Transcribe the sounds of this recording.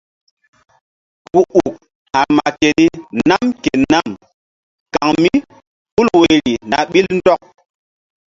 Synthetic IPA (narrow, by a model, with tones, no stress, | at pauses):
ku˨ʔu˨k̚ | ha˨ma˨ke˨ni˦na˦mke˨na˦˨m | ka˨ŋmi˦ | ɓu˦lwe˨ɾi˨na˨ɓi˦ln̩˦dɔ˦k̚